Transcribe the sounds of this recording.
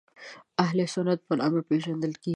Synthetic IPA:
aɦlesʊnad̪̚pənɑ̰mɾpeʒand̪əlke

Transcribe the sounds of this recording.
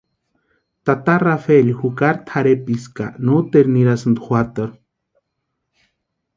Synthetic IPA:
t̪at̪arafelhukaɾt̪ʰaɾepiska̰nut̪eɾniɾasɨnd̪uxwat̪əɾ

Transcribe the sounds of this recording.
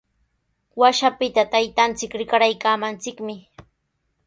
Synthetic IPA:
waʃapɪt̪at̪ajt̪ant͡sɪkɾɪkaɾajkaːmant͡sɪkmɪ

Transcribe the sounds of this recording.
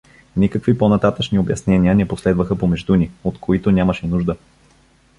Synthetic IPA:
nʲikəkviponɐt̪at̪ət͡ʃniobjɐsnɛniənɛposlɛd̪vəxəpomɛʒd̪uniot̪kʰoit̪onʲaməʃɛnuʒd̪ə

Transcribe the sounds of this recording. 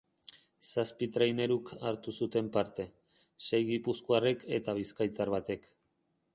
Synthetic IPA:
saspit̪ɾajne̞ɾukʰaɾt̪usut̪e̞mpaɾt̪e̞ | se̞jɣipuskoare̞ke̞t̪aβ̞iskajt̪aɾβat̪e̞k

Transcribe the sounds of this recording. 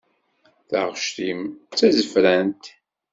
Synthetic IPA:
θəʁʃt̪imt͡sːæzəfɾænt̪

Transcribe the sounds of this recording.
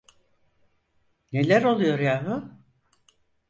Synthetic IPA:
ne̞lʲæɾo̞lˠujo̞ɾjaːmʊ

